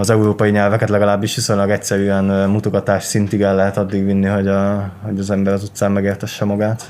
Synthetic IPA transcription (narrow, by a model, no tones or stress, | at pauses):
ɒzɛuɾoːpɒjiɲɛlvɛkɛt̪lɛɡɒlaːbːiʃʋiso̞ɲlɒɡɛc̚tsɛɾyɛnmut̪oɡɒt̪aːʃsint̪iɡɛlːɛɦɛt̪ɒd̪ːiɡʋinːiɦo̞ɟɒho̞ɟɒzɛmbɛɾɒzut̪saːmmɛɡeːrt̪ɛʃːɛmɒɡaːt̪